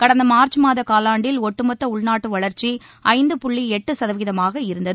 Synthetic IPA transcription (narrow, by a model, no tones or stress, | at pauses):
kɐɽɐnd̪ɐmaːɾt͡ʃɯmaːðɐkaːlaːɳɖɪlɔʈːɯmɐt̪ːɐʊɭnaːʈːɯʋɐɭɐɾt͡ʃiʔɐɪnd̪ɯpʊɭːiɛʈːɯsɐðɐʋɪɣɪðɐmaːɣɐɪɾɯnd̪ɐðɯ